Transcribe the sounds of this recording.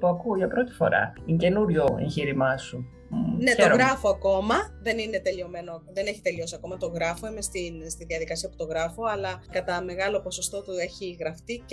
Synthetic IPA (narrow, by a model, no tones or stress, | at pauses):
puɐkuʝɐpɾo̞t̪i̥fo̞̰ɾɐ̰ince̞nuɾʝo̞ḛɲçiɾimɐsu | ne̞oɾɣɾɐfo̞ɐko̞mɐðe̞nine̞t̪e̞lio̞me̞noðe̞ne̞çi̥t̪e̞liosiɐko̞mɐt̪o̞ɣɾɐfo̞ime̞st̪inst̪iðiɐðikɐsiɐput̪o̞ɣɾɐfo̞ɐlɐkɐt̪ɐme̞ɣɐlo̞po̞so̞st̪o̞t̪ue̞çiɣɾɐft̪ic